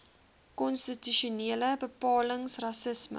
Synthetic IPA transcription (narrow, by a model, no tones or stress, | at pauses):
kɔnstityʃuneːləbəpɑːləŋsrɐsəsmə̰